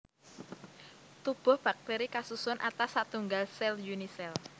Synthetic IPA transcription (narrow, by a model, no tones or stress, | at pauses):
t̪ub̥ʊ̤hb̥a̤k̚t̪eɾikasusʊnʔat̪asːat̪uŋɡalsɛljunisɛl